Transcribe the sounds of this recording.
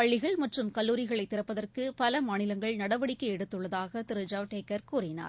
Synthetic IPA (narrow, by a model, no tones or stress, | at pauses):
pɐɭːɪɣɐɭmɐʈrɯmkɐlːuːɾɪɣɐɭɐɪt̪ːɪrɐpːɐðɐrkɯpɐlɐmaːnɪlɐŋɡɐɭnɐɽɐʋɐɽɪkːɐɛɽɯt̪ːɯɭːɐðaːɣɐt̪ɪɾɯd͡ʒaːʋʈeːkːɐɾkuːrɪna̰ːɾ